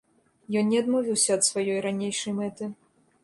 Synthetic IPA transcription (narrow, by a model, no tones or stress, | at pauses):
jɔnnʲɛɐd̪mɔvʲiwsʲɐːt̪svajɔjɾanʲejʂɐjmɛt̪ɨ